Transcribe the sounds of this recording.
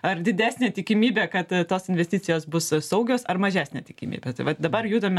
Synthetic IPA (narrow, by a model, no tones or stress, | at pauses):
ɐrd̪ʲɪd̪ʲæːsʲnʲeːt̪ʲɪkʲɪmʲiːbʲeːkɐt̪toːsɪnʲʋʲɛsʲt̪ʲiːt͡sʲɪjoːsbʊssɐʊɡʲoːsɐrmɐʒʲæːsʲnʲeːt̪ʲɪkʲɪmʲḭːbʲɛt̪ɐɪʋɐt̪d̪ɐbɐrjuːd̪ɐmʲɛ